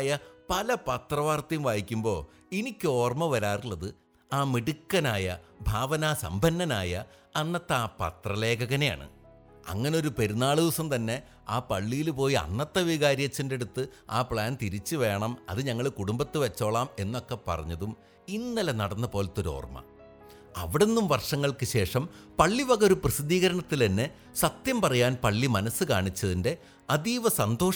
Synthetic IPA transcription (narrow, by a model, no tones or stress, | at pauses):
jɐpɐlɐpɐt̪rɐʋaːrt̪ɐjumʋaːjikʲːumbo̞ː | inikʲːo̞ːrmɐʋɐɾaːruɭːɐðɨ | aːmiɽukːɐnaːjɐbʱaːʋɐnaːsɐ̰mbʱɐnːɐnaːjɐː | nːɐt̪ːɐːpɐ̰t̪rɐle̞ːkɐɣɐneja̰ːɳɨ̰ | ɐ̰ŋːɐneo̞ɾupe̞ɾunːaːɭuʋsɐmt̪ɐnːe̞ | aːpɐɭːijilpo̞ːjiɐ̰nːɐt̪ːɐʋiɣaːɾjɐt͡ɕːinde̞ɽut̪ːɨaːpɭaːnt̪iɾit͡ɕːɨʋe̞ːɳɐmɐ̰ðɨɲɐŋːɐɭkuɽumbɐt̪ːɨʋɐt͡ɕːo̞ːɭaːme̞nːo̞kːe̞pɐ̰rɐɲːɐðum | inːɐlɐnɐɽɐnːɐpo̞ːlɐt̪ːoɾo̞̰ːrmɐ̰ | ɐ̰ʋiɽe̞nːumʋɐrʂɐŋːɐɭkɨɕe̞ːʂɐmpɐɭːibɐɣɐoɾuprɨsid̪iːɣɐɾɐɳɐt̪ːilenːe | sɐt̪jɐmpɐrɐjaːnpɐɭːimɐnɐsːɨkaːɳit͡ɕːɐðinde̞ | ɐd̪iːʋɐsɐnd̪ʱo̞ːʂ